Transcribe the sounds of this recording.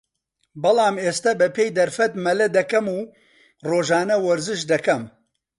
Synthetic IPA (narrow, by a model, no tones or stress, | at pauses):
bɐlˠɑːmeːst̪ɐbɐpʰeːjd̪ɐɾfɐt̪mɐlɐd̪ɐkɐmuː | roːʒaːnɐwɐɾzɨʃd̪ɐkɐm